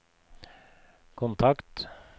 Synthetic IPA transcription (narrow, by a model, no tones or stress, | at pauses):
kʰʊnt̪ʰɑkt̪